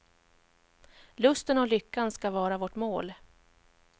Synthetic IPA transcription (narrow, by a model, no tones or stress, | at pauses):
lɵst̪ənɔlʏkːanskavɑːɾavoʈmoːl